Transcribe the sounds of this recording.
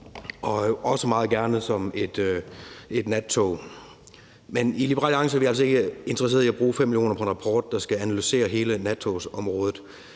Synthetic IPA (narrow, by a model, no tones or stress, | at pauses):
ʔɒ̽ɒ̽səmɑ̈ːð̞̩ˠɡ̥æɐnəð̩ˠsɒ̽me̝d̥ | e̝d̥næt͡sʰo | menilib̥əʁɑ̰ːlɑ̈ŋsəæʋiæl̰sɒe̝ɡ̥əe̝nd̥ʁɐse̝̰ːð̩ˠiæb̥ʁuːfem̰ːiljo̝̰ːnɐpʰɒenʁɑpʰɒːd̥ːɑ̈sɡ̥æænælyse̝̰ːɐɦe̝ːlənæt͡sʰo̝sɒ̽mʁɔːð̞ˠð̩ˠ